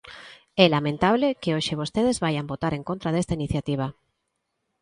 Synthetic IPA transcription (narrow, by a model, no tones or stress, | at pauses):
ɛlamẽnt̪aβ̞lekeoʃeβ̞ost̪eðezβajambot̪aɾeŋkont̪ɾaðest̪ainiθjat̪iβ̞a